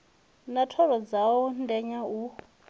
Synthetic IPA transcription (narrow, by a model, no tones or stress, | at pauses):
natʰɔɾɔd͡zaɔndɛɲau